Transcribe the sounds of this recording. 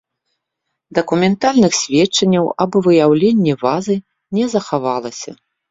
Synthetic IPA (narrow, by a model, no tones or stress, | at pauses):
d̪ɐkumʲɛnt̪alʲnɨxsʲvʲɛt͡ʂːɐnʲːɐwɐbɨvɨjawlʲenʲːɛvazɨ | nʲɛzɐxavalˠɐsʲɐ̰